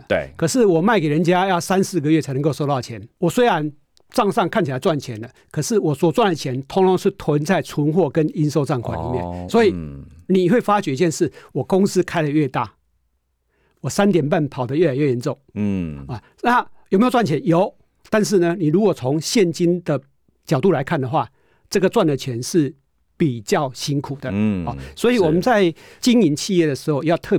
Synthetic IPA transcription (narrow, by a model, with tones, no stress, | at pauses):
t̪kʰɤ˨˩ʂɻ̩˥˩wɔ˨˩ma˥˩ɪke˨˩ɻə˧˦nt͡ɕja˦jɑ˥˩ʊsa˦nsɹ̩˥˩ɡə˨ɥɛ˥˩t͡sʰa˧˥nə˧˦ŋko˥˧so˥˧t̪ɑ˥˩ʊt͡ɕʰjɛ˨˧˦nwɔ˨˩swe˥ɪɻa˧˦n | t͡sɑ˥˧ŋsɑ˥˧ŋkʰa˥˩˨nt͡ɕʰi˨˩a˨˦ɪt͡swa˥˨˩nt͡ɕʰjɛ˨˦nd̪ə˨kʰɤ˨˩ʂɻ̩˥˩wɔ˨˩swɔ˨˩t͡swa˥˩nlə˨˩t͡ɕʰjɛ˧˦nt̪ʰʊ˧˥ŋt̪ʰʊ˧˦ŋʂɻ̩˥˩t̪ʰwə˧˦˥nt͡sa˥˩ɪt͡sʰu˧˦nxwɔ˥˩kə˦ni˦nso˥ʊt͡sɑ˥˧ŋkʰwa̰˥˩nlḭ˨˦mjɛ̰˥˨nswɔ˧˦i˨ni˨xwe˥˩ɪfa˦t͡ɕɥɛ˨˦i˧t͡ɕjɛ˥˧nʂɻ̩˥˩wɔ˨˩kʊ˦˥ŋs̩˦kʰa˥ɪlə˨ɥɛ˥˧t̪a˥˩ | wɔ˨˩sa˦nt̪jɛ˨˩npa˥˩npʰɑ˨˩ʊd̪ə˦ɥɛ˥˩la˨˩ɪɥɛ˥˩jɛ˨˥nt͡so˥˨ŋa˨˩ | na˥˨jo˨˩me˦˥˨t͡swa˥˨nt͡ɕʰjɛ˨˦njo˧˦ʊ | t̪a˥˧nʂ̬ɻ̩˥˩nə˩ni˨˩lu˧˥kwɔ˨˩t͡sʰo˧˦ŋɕjɛ˥˨nt͡ɕi˦nd̪ə˨ | t͡ɕjɑ˨˩ʊt̪u˥˩la˧˦ɪkʰa˥˩nd̪ə˩xwa˥˨ | t͡sɤ˥˩ɡə˩t͡swa˥˨nlə˨˩t͡ɕʰɥɛ˨˧˦nʂɻ̩˥˩ | pi˨˩t͡ɕjɑ˥˨ʊɕi˥nkʰu˨˩d̪ə˦ɔ˨˩swɔ˧˦˥i˨wɔ˨˩mə˨˦nt͡sa˥˧ɪt͡ɕi˥ŋi˧˦nt͡ɕʰi˥˧jɛ˥˩d̪ə˩ʂɻ̩˧˥xo˥˧˨jɑ˥˧ʊt̪ʰɤ˥˨